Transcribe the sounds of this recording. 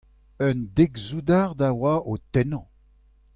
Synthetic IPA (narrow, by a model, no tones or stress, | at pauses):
œnd̪eɡzud̪aʁd̪awaʔot̪ɛnɑ̃